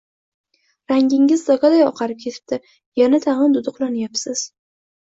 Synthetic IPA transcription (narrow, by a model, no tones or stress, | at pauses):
ɾaŋɡʲɪŋɪzd̪ɒɡad̪ajɒ̰qʰɑɾɪp̚kʲʰe̞t̪ʰɪ̥p̚t̪ɪ | janat̪ʰaʁɨnd̪ʊd̪ʊqlˠanjapsɪz̥